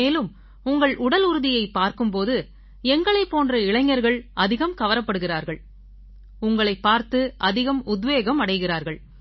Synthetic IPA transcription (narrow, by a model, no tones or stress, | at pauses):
eːlɯm | ʊŋɡɐɭʊɽɐlʊɾɯðɪjɐɪpːaːɾkɯmpoːðɯ | ɛŋɡɐɭɐɪpːoːndrɐɪɭɐŋːɐɾɣɐɭʔɐðɪɣɐmkɐʋɐɾɐpːɐɽɯɣɪraːɾɣɐɭ | ʊŋɡɐɭɐɪpːaːɾt̪ɯʔɐðɪɣɐmʊd̪ʋeːɣɐmɐɽɐɪɣɪraːɾɣɐɭ